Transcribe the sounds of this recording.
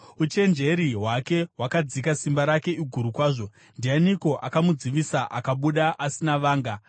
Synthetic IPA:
ut͡ʃe̞nd͡ʒe̞ɾiɦwake̞ɦwakad͡zikasimbaɾake̞iɡʱuɾukwaːʐo̞ | ndianiko̞ʔakamud͡ziʋisaʔakaɓuɗaʔasinaʋaːŋɡa

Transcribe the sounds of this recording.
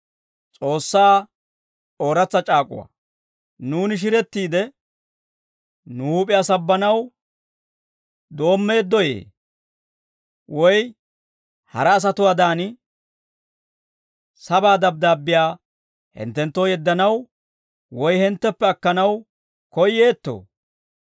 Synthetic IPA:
t͡sʼo̞ːsːaː | o̞ːɾɐt͡sːɐt͡ʃʼaːkʼʊ̰wa̰ | nuːnɪʃ̬ɪɾɛt̪ːiːd̪ɛ | nuuːpʼɪjaːsɐbːɐnɐw | d̪o̞ːmːe̞ːd̪ːɔjḛː | wɔj | hɐ̰ɾɐːs̬ɐt̪ʊwaːd̪aːnɪ | sɐbaːd̪ɐb̚d̪aːbːɪjaː | hɛ̰nt̪ːɛnt̪ːoːjɛd̪ːɐnɐw | wɔjhɛnt̪ːɛpːɛɐkːɐnɐw | kɔjːe̞ːt̪ːo̰ː

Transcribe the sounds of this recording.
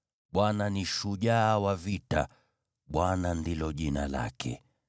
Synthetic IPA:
ɓwananiʃuʄaːwavita̰ | ɓwanandilɔʄinala̰kʰɛ̰

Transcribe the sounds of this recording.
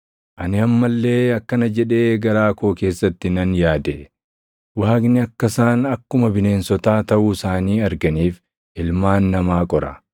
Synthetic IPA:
ʔɐnɪɐmːɐlːe̞ːɐkːɐnɐd͡ʒɛᶑe̞ːɡɐɾaːkoːke̞ːsːɐt̪ːɪnɐnjaːd̪e | waːɡnɪɐkːɐsaːnɐkːʊmɐbɪne̞ːnsɔt̪aːt̪ɐʔuːsaːniːɐɾɡɐniːf | ʔɪlmaːnːɐmaːkʼɔɾɐ̰

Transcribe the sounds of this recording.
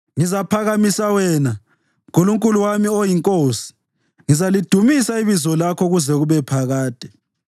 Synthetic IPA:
ŋizapʰaɣamisawɛna | ɣoluŋkʼuluwamiojiŋkʼoːsi̥ | ŋizalid̥ʱumisaiβizɔlakʰɔɣuzɛɣuβɛpʰaɣaːd̥ʱɛ

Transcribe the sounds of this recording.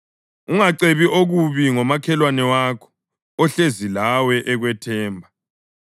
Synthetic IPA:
uŋaǀeβiʔoɣuβiŋɔmakʰɛlwanɛwakʰɔ̥ | ɔɬezilawɛʔɛɣwɛtʰɛːmbʱa

